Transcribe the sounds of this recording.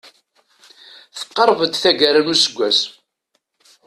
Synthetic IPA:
θə̥qːɑɾˤvəd̪θæʝəɾənusəɡʷːæs

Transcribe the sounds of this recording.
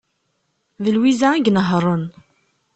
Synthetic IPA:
ðəlwizæiɡnəɦɾˤən

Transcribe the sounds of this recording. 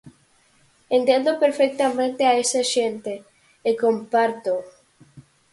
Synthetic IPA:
ẽnt̪end̪opeɾfek̚t̪amẽnt̪eaesaʃent̪eː | kompaɾt̪o

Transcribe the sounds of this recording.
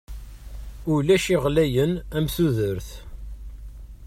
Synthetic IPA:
ʊlæʃiʁlæjənæmθuðəɾθ

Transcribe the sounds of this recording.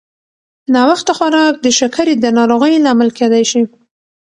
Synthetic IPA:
nɑwaxt̪axwaɾɑk̚d̪əʃakʰaɾid̪ənɑɾoɣəjlɑmalked̪ajʃi

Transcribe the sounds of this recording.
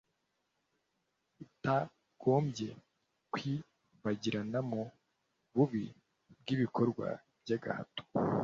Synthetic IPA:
ita | ɡ̥oːmɟe̞ | kwi | βaɟiɾanamo | βuβi | bɡiβiko̞ɾɡwa̰ | b̥jaɡa̰ha̰to̥

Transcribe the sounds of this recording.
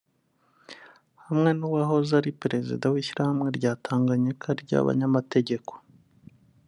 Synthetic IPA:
hamŋe̞nuwaho̞zaɾipɾe̞zḭdawiːʃiɾahamŋe̞ɾɟaːtʰaːŋɡaɲekʰaɾɟa̰βa̰ɲamate̞ɟe̞ko̥

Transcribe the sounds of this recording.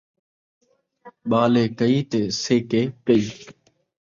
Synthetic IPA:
ɓaːleːkəiːt̪eːseːkeːkəiː

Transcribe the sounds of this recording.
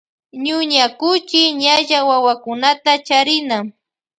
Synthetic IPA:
ɲʊɲakʊt͡ʃɪɲaʒawawakʊnat̪at͡ʃaɾɪna

